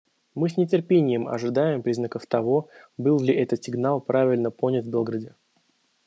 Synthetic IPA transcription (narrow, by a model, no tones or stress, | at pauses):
mɨs̬ʲnʲɪtʲɪrpʲenʲɪjɪmɐ̰ʐɨd̪ajɪmpɾʲiznəkəft̪ɐvo̞bɨlˠlʲɪʔɛt̪ət̪sʲɪɡnalˠpɾavʲɪlʲnəpo̞nʲɪt̪vbʲelˠɡɾədʲɪ